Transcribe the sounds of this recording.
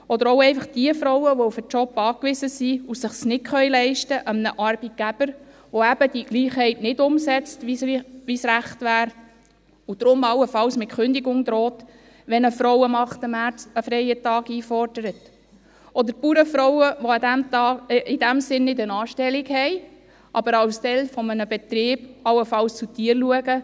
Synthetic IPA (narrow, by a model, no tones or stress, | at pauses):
ɔd̪əɾɔʊɛɪfɑχd̥iəfɾɔwəʋofət͡ʃɔpːɑːkʋɪsəsiusɪχsnɪtχœɥlɛɪʃtəʔəmnəʔɑɾb̥it̚ɡ̥æb̥əɾ | ʋoæb̥əd̥iɡ̥liːχhɛɪtnɪdʊmsɛt͡stʋiʋisɾæχtʋæːɾ | ud̥̪ɾʊmɑwəfɑlsmɪt̚kʏnd̪iɡʊŋd̪ɾɔːt | ʋɛnəfɾɔwəmɑχtəmæəfɾɛɪətɑːɡiːfɔɾd̥əɾət | ʔɔdəɾpuːɾəfɾɔwəʋodæmtɑːɪd̥æmsɪnːɪdənɑːʃtɛliɡhɛɪ | ʔɑbəɾɑwstɛlfɔmənəbɛt̪ɾeːb̥ɑwəfɑlst͡sutiːəɾluəɡə